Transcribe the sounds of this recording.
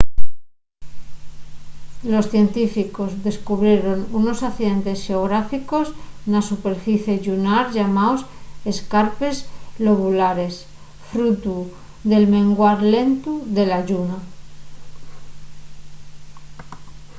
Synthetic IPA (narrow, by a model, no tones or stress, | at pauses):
lo̞sθje̞nt̪ifiko̞zðe̞skuβɾje̞ɾo̞nuno̞saθiðe̞nt̪e̞sxeoɣ̞ɾafiko̞snasupe̞ɾfiθje̞ʝunaɾʝamaose̞skaɾpe̞zlo̞βulaɾe̞s | fɾut̪u | ðe̞lmẽ̞ŋɡwaɾle̞nt̪uðe̞laʝuna